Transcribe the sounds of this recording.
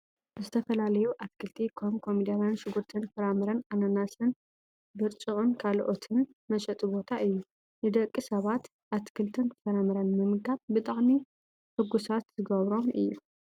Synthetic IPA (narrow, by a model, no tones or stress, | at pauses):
zɨt̪ʰɐfɐlalɐjuʔat̪kʰɨlt̪ʰikʰomkʰomid̪ɐɾanʃɨɡuɾt̪ʰɨnfɨɾamɨɾɐnanɐnasɨn | bɨɾt͡ʃʼɨχʼɨnkʰalʔot̪ʰɨnmɐʃʼɐt̪ʼɨbo̞t̪ʰaʔɨjːu | nɨd̪ɐkʼːisɐβat̪ | ʔat̪kʰɨlt̪ʰɨnfɨɾamɨɾɐnmɨmɡaβbɨt̪ʼaʕmi | ħɨɡusat̪zɨɡɐβɾo̞mʔɨ̰jːu